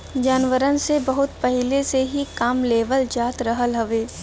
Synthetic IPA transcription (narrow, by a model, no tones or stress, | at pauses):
d͡ʒaːnʋəɾənsebɐɦʊt̪pɐɦɪleseɦikaːmleːʋəld͡ʒaːt̪ɾɐɦəlɦɐʋeː